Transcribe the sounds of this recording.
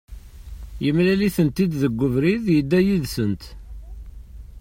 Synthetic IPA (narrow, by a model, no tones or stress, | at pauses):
jəmlæliθənt̪id̪ðəɡʷːʊvɾiðjəd̪ːæjiðsənt̪